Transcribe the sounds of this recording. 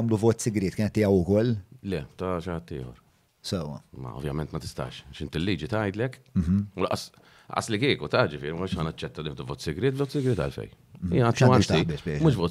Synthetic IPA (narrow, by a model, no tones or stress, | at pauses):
ɐːmluvɔːt̪sɪɡɾɪːt̪kɪːnɛt̪ːɪːjɛwʊkɔlːlɛt̪ɐʃɪhɐt̪ːɪ̰ːhɔ̰ɾ | sɛwɐ̰mɐ̰ɔ̰vjɐmɛnt̪mɐt̪ɪ̥st̪ɐ̰ːʃʃɪnt̪ɪlːiːd͡ʒit̪ɐjd̪lɛk̩ulɐ̰ʔɐs | lɐ̰ʔɐslikiːkut̪ɐd͡ʒɪfɪ̰ːɾimɪʃhɐːnɐt͡ʃːɛt̪ːɐlɪhd̪uvɔːt̪sɪɡɾɪːt̪bvɔːt̪sɪɡɾɪːt̪ɐ̰lfɛ̰jɪːɐʃɐibɪːbɪmʊːʃbvɔː